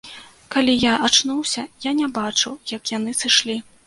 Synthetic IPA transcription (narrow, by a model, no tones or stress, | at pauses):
kalʲijaʔat͡ʂnuwsʲɐjanʲɛbat͡ʂɨwjɐkjan̪ɨsɨʂlʲi